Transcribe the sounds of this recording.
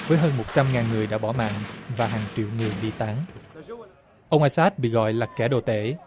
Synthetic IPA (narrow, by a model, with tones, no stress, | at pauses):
vəː˨˦jɦəː˧nmo˨˩t̚t͡ɕa˧mŋaː˨˩nŋɨ˨˩əjɗa̰ː˧˥ɓɔ˧˩ma̰ː˧˨nvaː˨˩ɦaː˨˩ŋt͡ɕḭ˧˨wŋɨ˨˩əjɗi˧t̪a˨˦ŋ | ʔə˧wŋ͡mʔaː˧saː˦˥t̚ɓḭ˧˨ɣɔ̰˧˨jlaː˨˩kɛ˧˩ɗo˨˩t̪e˧˥